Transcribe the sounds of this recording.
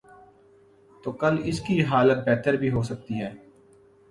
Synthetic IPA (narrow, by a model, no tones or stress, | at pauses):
t̪oːkɐlɪskiɦaːlət̪̚bɛːt̪əɾbʱiɦoːsɐk̚t̪iɦɛː